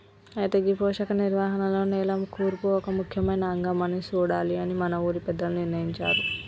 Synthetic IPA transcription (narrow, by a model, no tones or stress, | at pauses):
ɐjit̪eːɡipoːʂɐkɐniɾʋaːɦɐnɐlo̞ːnɛːlɐmkuːɾpuɔkɐmukʰjɐmɐjnɐːŋɡɐmɐnit͡ʃuːɽaːliɐnimɐnɐuːɾipɛd̪ːɐluniɾnɐjiɲt͡ʃa̰ːɾu